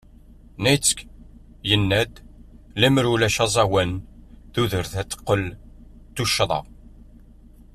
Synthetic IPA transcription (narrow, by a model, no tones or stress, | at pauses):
næjt͡sːə̥k | jənːæd̪læməɾulæʃɑzˤɑwənðuðəɾθæt͡sːə̥qːəl | t̪ːuʃːðˤɑ̰ʁ